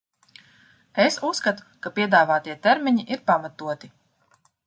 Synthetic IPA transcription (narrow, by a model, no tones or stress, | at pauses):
esusːkat̪u̥kapiɛd̪aːvaːt̪iɛt̪ɛɾmʲiɲiʔiɾpamat̪uɔt̪i